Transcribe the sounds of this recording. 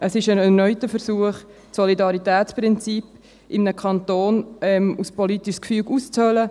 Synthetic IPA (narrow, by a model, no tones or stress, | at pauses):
əsɪʃənɛnœʏtəfəɾsuəχ | sɔlidɑɾitɛːt͡spɾɪnt͡sip | ʔɪmnəkʰɑnt̪oːnɛmuspɔlitiʃskfyːɡust͡shœlə